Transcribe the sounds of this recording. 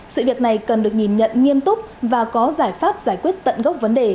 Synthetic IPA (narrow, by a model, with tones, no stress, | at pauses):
sɨ̰˧˨vi˨˩ək̚na˨˩jkə˨˩nɗɨ˨˩ək̚ɲi˨˩nɲə̰˧˨nŋi˧əmt̪ʊ˦˥k͡p̚vaː˨˩kɔ˨˦zaː˧˩jfaː˦˥p̚zaː˧˩jkwi˦˥ət̚t̪ə̰˧˨nɣə˦˥wk͡p̚və˨˦nɗe˨˩